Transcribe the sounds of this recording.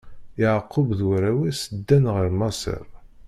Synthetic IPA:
ɪʕqːʊbðwɾæwisəd̪ːænʁəɾmɑsə̰ɾˤ

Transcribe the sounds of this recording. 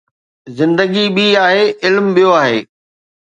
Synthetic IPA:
zɪ̃nd̪əɡiɓiaːɦeːɪlmɓijoaːɦḛː

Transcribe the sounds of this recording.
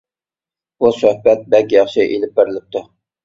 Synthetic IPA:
busøhbɛt̪̚bɛlkʲijɑχʃiʔelɪp̚beɾɪlɪp̚t̪ʰu

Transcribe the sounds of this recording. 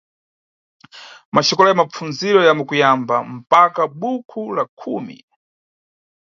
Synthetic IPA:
mat͡ʃɔkɔlɔjamap͡funziɾɔjamukujamba̰m̩pakaɓukʰulakʰuːmḭ

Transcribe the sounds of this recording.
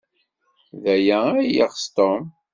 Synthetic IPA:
ðæjææja̰ʁst̪om

